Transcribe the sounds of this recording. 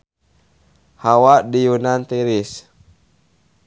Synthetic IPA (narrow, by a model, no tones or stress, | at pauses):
hawaʔdijunant̪iɾis